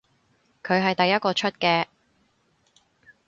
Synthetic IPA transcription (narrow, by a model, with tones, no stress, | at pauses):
kʰɵ˨˧ɥɦɐ˨jt̪ɐ˨jːɐ˥t̚kɔː˧t͡ʃʰɵ˥t̚kɛː˧